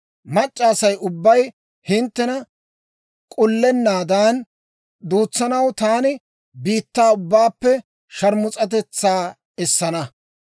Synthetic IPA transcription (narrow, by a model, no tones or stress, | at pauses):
mɐt͡ʃʼːaːsɐjʊbːɐj | hɪnt̪ːɛnɐ | kʼʊlːɛnːaːd̪aːn | d̪uːt͡sːɐnɐwt̪aːnɪ | biːt̪ːaːʊbːaːpːɛ | ʃɐɾmʊt͡sʼɐt̪ɛt͡sːaː | ɛsːɐnɐ